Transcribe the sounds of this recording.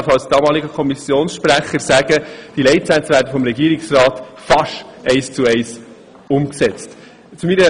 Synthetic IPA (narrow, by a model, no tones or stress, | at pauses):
fɑlsd̥ɑːmɑːliɡəkʰɔmisjoːnsʃpɾæχəɾsæɡ̥əd̥ilɛɪtsænt͡sʋæːɾdəfɔmɾɛɡiːɾɪksrɑːtfɑʃɛɪst͡suɛɪs | ʊmksɛt͡st | t͡sumiɾə